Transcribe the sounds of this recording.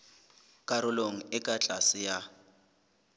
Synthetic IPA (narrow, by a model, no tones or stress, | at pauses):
kʼaɾʊloŋ̩ɪkʼat͡ɬʼasɪja